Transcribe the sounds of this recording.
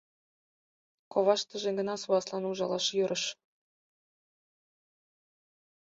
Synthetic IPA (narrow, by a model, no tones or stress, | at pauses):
koβɑʃt̪ə̆ʒĕɡə̆nɑsuɑslɑnuʒɑlɑʃjøɾʔə̆ʃ